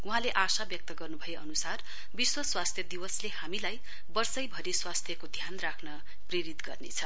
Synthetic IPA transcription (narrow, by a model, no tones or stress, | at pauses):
uɦãleʔasabjʌk̚t̪ʌɡʌrnubʱʌjeʌnusar | biswʌswast̪ʰjʌd̪iwʌslehamilaj | bʌrsʌjbʱʌɾiswast̪ʰjʌkod̪ʱjanrakʰnʌ | preɾit̪ɡʌrnḛt͡sʰʌ